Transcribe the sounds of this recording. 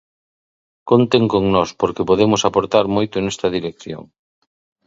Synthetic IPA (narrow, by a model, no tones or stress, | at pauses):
kont̪eŋkoŋnɔspoɾkepoðemʊsapoɾt̪aɾmojt̪ʊnɛst̪ɐðiɾekθjo̰ŋ